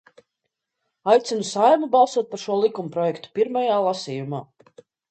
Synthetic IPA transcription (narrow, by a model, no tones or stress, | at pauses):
ajt̪sinusajmubalˠsuɔt̪̚paɾʃuɔlˠikumpɾɔjɛkt̪u̥piɾmajaːlˠasiːjumaː